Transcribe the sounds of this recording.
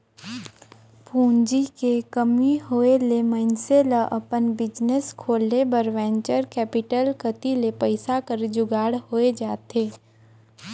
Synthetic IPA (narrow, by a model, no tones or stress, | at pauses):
pʰũːnd͡ʒikekəmiɦoːelemənseləʔɐpənbɪd͡ʒneskʰoːlːebəɾʋɛ̃ːɲt͡ʃəɾkɛːpɪʈəlkət̪ilepəɪsakəɾd͡ʒʊɡaːɽhoːed͡ʒaːt̪eː